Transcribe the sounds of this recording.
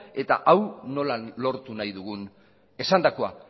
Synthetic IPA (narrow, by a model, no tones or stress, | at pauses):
e̞t̪a̰ʔawno̞lalo̞ɾt̪unajðuɣun | e̞sand̪ako̞a̰